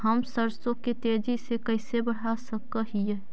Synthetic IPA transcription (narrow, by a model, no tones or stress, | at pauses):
ɦɐmsəɾsõket̪eːd͡ʒisekɐɪsebɐɽ̤asəkəɦie